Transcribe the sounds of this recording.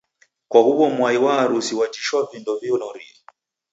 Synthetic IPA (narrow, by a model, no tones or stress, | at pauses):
kwahuwɔmwaiwaːɾusiwad͡ʒiʃwavindɔviɔnɔɾḭi